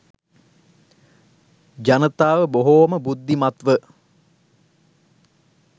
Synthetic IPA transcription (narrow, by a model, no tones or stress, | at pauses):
d͡ʒanət̪aːʋəboɦoːməbud̪ːimat̪ʋə